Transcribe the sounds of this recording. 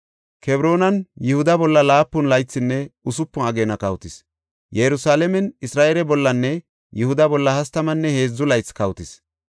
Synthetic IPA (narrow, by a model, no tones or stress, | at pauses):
kʰɛbɾo̞ːnɐnjʊhʊd̪ɐbɔlːɐlaːpːʊnlɐjt͡sːɪnːɛʊsʊpːʊɐɡeːnɐkɐwt̪ɪs | jɛɾʊsaːlɛmɛnɪsɾaːʔɛlɛbɔlːɐnːɛ | jʊhʊd̪ɐbɔlːɐhɐst̪ɐmɐnːɛhe̞ːzːʊlɐjt͡sːkɐwt̪ɪs